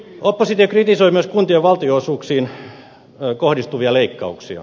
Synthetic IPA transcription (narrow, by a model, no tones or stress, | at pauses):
opːosit̪iokrit̪isoimyøskunt̪ioʋɑlt̪ioosuːksiːn | kohdist̪uʋiɑleikːɑuksiɑ̰